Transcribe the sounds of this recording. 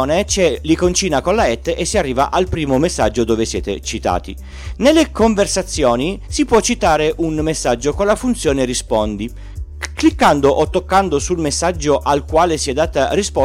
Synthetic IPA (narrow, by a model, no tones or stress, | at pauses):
net͡ʃɛlikont͡ʃiːnakonlaɛt̪ːʔesːiarːiːvaʔalpɾiːmomesːad͡ʒːod̪oːvesjɛ̰ːt̪ḛt͡ʃit̪a̰ːt̪ḭ | nelːekoɱversat̪sːjoːnisipwɔt͡ʃːit̪aːɾeʔunmesːad͡ʒːokolafunt̪sjoːnerispɔnd̪i | klikːand̪oʔot̪ːokːand̪osulmesːad͡ʒːoʔalkwaːlesiɛd̪ːaːt̪arispɔ